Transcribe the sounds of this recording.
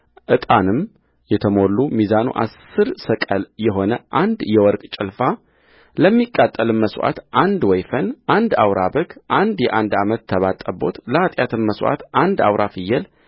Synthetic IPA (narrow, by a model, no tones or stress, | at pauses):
ʔɨt̪ʼanɨm | jɛt̪ʰəmo̞lːumizanṵʔa̰sɨɾsəkʼəljɛɦo̞nəʔand̪jɛwɔɾkʼt͡ʃʼɪlfa | ləmːikʼːat̪ʼːəlɨmməswʔa̰t̪ʔand̪wɔjfənʔand̪awɾʔabəɡʔand̪jɛʔand̪amət̪ʰːəβat̪ʼːəbo̞̰t̪ləat̪ʼjat̪ʰɨmməswʔa̰t̪ʔand̪a̰wɾʔafɨjːɛl